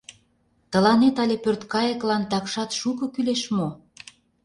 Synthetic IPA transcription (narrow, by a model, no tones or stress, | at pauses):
t̪ə̆lɑnet̪ɑlʲepørt̪kɑjə̆klɑnt̪ɑkʃɑt̪ʃukɤ̆kyleʃmo